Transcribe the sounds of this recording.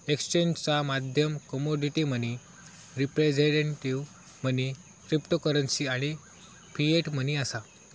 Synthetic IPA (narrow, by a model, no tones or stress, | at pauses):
ekst͡ɕeɲd͡ʑt͡samad̪ʱjəmkəmoɖiʈiməni | ɾipɾed͡ʑeʈeɳʈiʋ | m̤əni | kɾipʈokəɾənsiaɽ̃i | pieʈm̤əniəsa